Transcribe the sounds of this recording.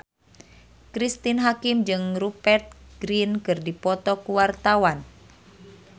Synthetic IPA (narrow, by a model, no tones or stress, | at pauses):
kɾist̪inɦakimd͡ʒɨŋrupɛrt̪̚ɡ̥ɾinkɨrdipɔt̪ɔkuwart̪awan